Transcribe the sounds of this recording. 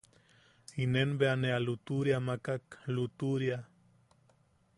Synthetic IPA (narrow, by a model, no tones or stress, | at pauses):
inenbeanealut̪uɾjamakaklut̪uɾja